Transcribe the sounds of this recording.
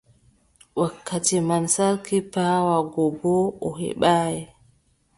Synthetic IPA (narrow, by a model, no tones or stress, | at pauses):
wakʰːatimansaɾkipaːwaɡɔbɔɔhɛ̰ɓaːjɛ